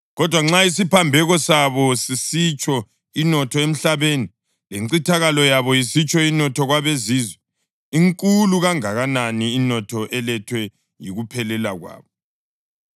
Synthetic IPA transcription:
ɣɔd̥ʱwaŋ͡ǁais̬ipʰambʱɛɣɔsaβɔsisit͡ʃʼɔ | inɔtʰɔem̩ɬaβeːni | leǀitʰaɣalɔjaβɔjisit͡ʃʼɔinɔtʰɔɣwaβeziːzwɛ | iŋkʼuluɣaŋaɣananiːnɔtʰɔʔɛlɛtʰwɛ | jḭɣupʰɛlɛlaɣwa̰ːβɔ

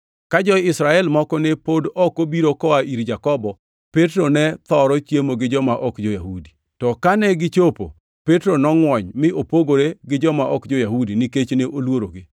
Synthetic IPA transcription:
kad͡ʒɔɪsɾaɛlmɔkɔnepodɔkobiɾokɔaʔiɾd͡ʒakɔbɔ | petɾonɛt̪ɔɾɔt͡ʃjemoɡɪd͡ʒɔmaʔɔkd͡ʒɔjahudi̥ | tɔkanɛɡɪt͡ʃopo̰ | petɾonɔŋwɔɲmɪʔopoɡoɾeɡɪd͡ʒɔmaʔɔkd͡ʒɔjahudinɪket͡ʃneʔolwoɾoɡɪ

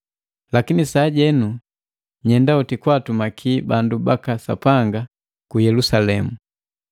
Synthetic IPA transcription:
lakinisaːɟɛnu | ɲɛndautikwatumakʰibandubakasa̰paŋɡa | kujɛlusalɛmu

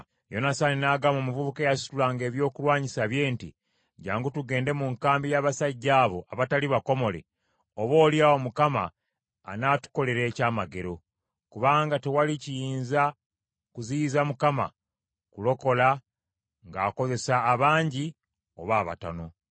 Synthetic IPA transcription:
jo̞nasaninaːɡamo̞muvuβukejasi̥tulaːŋɡe̞ːβjo̞ːkulwaːɲisaβje̞ːntḭ | ɟaːŋɡutuɡe̞ːnde̞muŋkaːmbijaːβasaɟːaːβo̞ʔaβataliβako̞mo̞le̞̰ | oβo̞ːljaomukama̰ː | naːtu̥ko̞le̞ɾe̞ːcaːmaɡe̞ɾo̞ | kuβaːŋɡatewalicijiiːnza | kuziːzamukama̰ | kulo̞ko̞la | ŋɡaːko̞ze̞saːβaːɲɟi | oβaːβa̰ta̰no̞

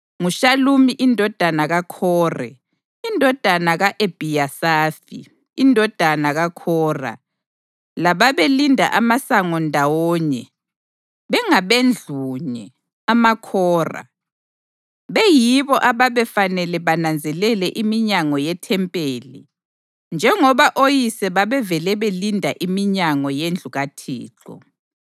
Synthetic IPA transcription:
ŋuʃalumiʔindʱɔd̥ʱanaɣakʰɔːrɛ̰ | indʱɔd̥ʱanaɣaʔeb̥ʱijasaːfḭ | indʱɔd̥ʱanaɣakʰɔːra̰ | laβaβelindʱa̰ʔamasaŋɔndʱawɔːɲɛ | βɛŋaβend͡ɮʱuɲɛ | amakʰɔːra̰ | βɛjiβɔʔaβaβɛfanɛlɛβanand͡zʱɛlɛlɛʔimiɲaŋɔjɛtʰɛmpʼeːlḭ | nd͡ʒʱɛŋɔβaʔojisɛβaβɛvɛlɛβelindʱaʔimiɲaŋɔjend͡ɮʱuɣatʰḭːǁɔ̰

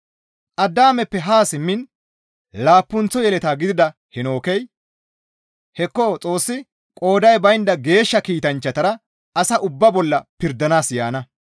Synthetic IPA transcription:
ʔɐd̪ːaːmɛpːɛɦaːsɪmːɪn | laːpːʊnt͡sːɔjɛlɛt̪aːɡɪd̪ɪd̪ɐ | hɛno̞ːkɛj | hɛkːɔt͡sʼo̞ːsːɪ | kʼo̞ːd̪ɐjbɐjɪnd̪ɐɡe̞ːʃːɐkiːt̪ɐnt͡ʃːɐt̪ɐɾɐ | ɐsɐʔʊbːɐbɔlːɐpɪɾd̪ɐnaːsjaːnɐ

